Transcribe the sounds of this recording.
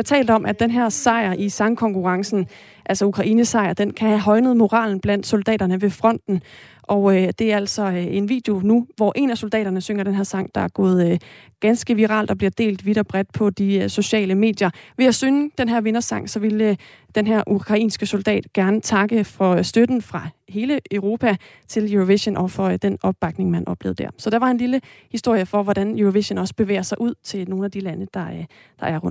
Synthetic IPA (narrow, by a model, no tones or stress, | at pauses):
t͡sʰɛ̰ːld̥̩ɒ̽mʔæd̥enɦeɐ̰sɑ̈ɪɐʔisɑ̈ŋkʰɒ̽ŋkʰuʁɑ̈ŋsn̩ | ʔæl̰sɒukʰʁɑ̈ʔḭːnəsɑ̈ɪɐd̥enkʰæhæɦɒ̽ɪnəð̩ˠmo̝ʁɑ̰̈ːln̩b̥læn̰d̥sold̥ɛ̰ːɾ̥ɐnəʋe̝fʁɒ̽n̰d̥n̩ | ʔɒʊd̥e̝æɐæl̰sɒ̽e̝nʋḭːd̥jo̝nuʋɒʔe̝næso̝ld̥ɛ̰ːɾɐnəsøŋɐɾenɦeɐ̰sɑ̈ŋ̰d̥ɑ̈æɐɡ̥ɔ̰̽ːð̞̩ˠɡ̥ænsɡ̥əʋiʁɑ̰̈ːld̥ɒ̽b̥liɐd̥e̝̰ːld̥ʋiɾ̥ɐb̥ʁɛd̥̚pʰɒ̽d̥iso̝ɕɛ̰ːləme̝̰ːd̥jɐʋe̝jæsøŋd̥enɦæɐ̰ʋe̝nɐsɑ̈ŋ̰sɒ̽ʋe̝l | d̥enɦæɐʔukʰʁɑ̈ḭːnsɡ̥əso̝ld̥ɛ̰ːd̥ɡ̥æɐnət͡sʰɑ̈ɡ̥əfɒ̽sd̥ød̥n̩fʁɑ̈he̝ːləʔøʊʁo̝ːpʰæ | t͡sʰe̝ljuʁoʋḛɕənʔɒfɒ̽d̥enɒ̽b̥̚b̥ɑ̈ɡ̥ne̝ŋmænʔɒ̽b̥lḛːð̩ˠd̥æɐ̰sɒ̽d̥ɑʋɑ̈e̝nliləhisd̥o̝ɐ̰jəfɒ̽ʋɒd̥ænjuoʋeɕənɒ̽səb̥e̝ʋḛːɐsɑ̈ɪʔuð̞̰ˠt͡sʰe̝lno̝ːn̩æd̥ilænəd̥ɑ̈ | d̥ɑ̈ʔæɐʁɔn